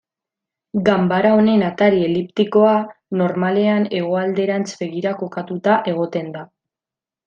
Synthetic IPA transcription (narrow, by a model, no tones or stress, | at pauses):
ɡambaɾao̞ne̞nat̪aɾie̞lipt̪iko̞ano̞ɾmale̞ane̞ɣ̞o̞ald̪e̞ɾant͡sbe̞ɣiɾako̞kat̪ut̪aʔe̞ɣ̞o̞t̪e̞nd̪a